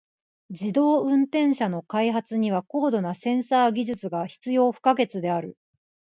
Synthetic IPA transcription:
d͡ʑid̪o̞ːɯ̟̃nt̪ẽ̞ɰ̃ɕano̞kaiɦat͡sɨɲ̟iβ̞ako̞ːd̪o̞nasẽ̞ɰ̃saːɡʲiʑɨt͡sɨɡaçi̥t͡sɨjo̞ːɸɯ̟̥kaɡe̞t͡sɨd̪e̞aɾɯ̟

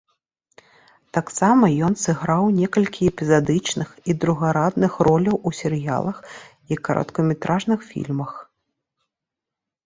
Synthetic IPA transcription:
t̪aksamɐjɔnsɨɣɾawnʲɛkɐlʲkʲiɛpʲɛzad̪ɨt͡ʂnɨxid̪ɾuɣɐɾad̪nɨxrɔlʲɐwusʲɛɾɨja̰lˠɐx | ikɐɾʔɐ̰t̪kɐmʲɛt̪ɾʔaʐnɨxfʲḭlʲmɐx

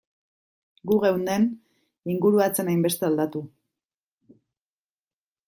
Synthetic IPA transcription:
ɡuɣe̞wnd̪e̞n | iŋɡuɾuat͡se̞najmbe̞st̪e̞ald̪at̪u

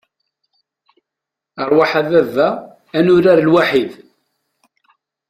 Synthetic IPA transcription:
əɾˤwaħaðævæː | nʊɾaɾlwaħið

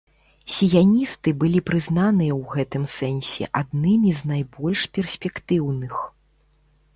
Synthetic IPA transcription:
sʲijanʲist̪ɨbɨlʲipɾɨznanɨjɐwɣɛt̪ɨmsɛnsʲɛ̰ʔad̪nɨmʲiznajbɔlʲʂpʲɛrsʲpʲɛkt̪ɨwnɨx

